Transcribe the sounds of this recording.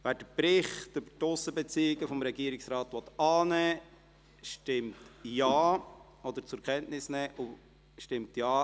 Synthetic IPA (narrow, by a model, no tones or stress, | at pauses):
væːɾd̥əpɾɪχtøbə̥ɾtʊsːəbet͡siːɪɡəfɔmɾɛɡiəɾɪksɾɑːtʋɔt̪ɑːnɛː | ʃtɪmtjaː | ɔd̪əɾt͡sʊɾkʰɛntnɪsnɛːʔʊ | ʃtɪmtjaː